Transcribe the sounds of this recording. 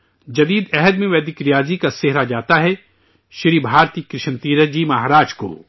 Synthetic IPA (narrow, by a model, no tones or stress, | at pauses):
d͡ʒɐd̪iːd̪ɛɦəd̪mẽʋɛːd̪ɪkɾijaːd͡ʒikasɪɦɾad͡ʒaːt̪aɦɛ | ʃɪɾibʱaːɾt̪iːkɾɪʃənt̪iːɾəd͡ʒimɐɦaːɾaːd͡ʒko̰ː